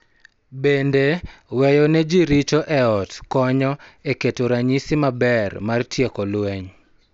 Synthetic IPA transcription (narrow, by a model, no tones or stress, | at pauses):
bendewɛjɔnɛd͡ʒiɾit͡ʃɔʔɛɔtkɔɲɔeketoɾaɲisɪmabɛrmartjekɔlwɛɲ